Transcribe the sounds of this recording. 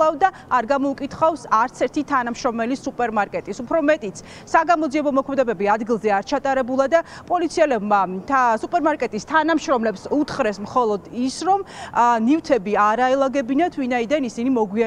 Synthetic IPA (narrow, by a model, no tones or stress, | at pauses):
avd̪aːɾɡamɔukʼit̪ʰχavsaɾt̪sʰɛɾt̪ʰit̪ʰanamʃɾɔmɛlisupʼɛɾmaɾkʼɛt̪ʼisupʰɾɔmɛt̪ʼit̪sʰ | saɡamɔd̪ziɛbɔmɔkʰmɛd̪ɛbɛbiad̪ɡilˠzɛaɾt͡ʃʰat̪ʼaɾɛbulˠad̪apʼɔlit̪sʰiɛlɛbmasupʼɛɾmaɾkʼɛt̪ʼist̪ʰanamʃɾɔmlɛpsut̪ʰχɾɛsmχɔlˠɔd̪isɾɔmnivt̪ʰɛbiaɾaɛlˠaɡɛbinat̪ʰvinaid̪anisinimɔɡwia